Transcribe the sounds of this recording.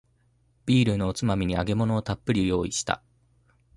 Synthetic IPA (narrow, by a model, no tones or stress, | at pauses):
b̥ʲiːɾɯ̟no̞ːt͡sɨmamʲiɲ̟iaɡe̞mo̞no̞ːt̪apːɯ̟ɾʲijo̞ːiɕi̥t̪a̰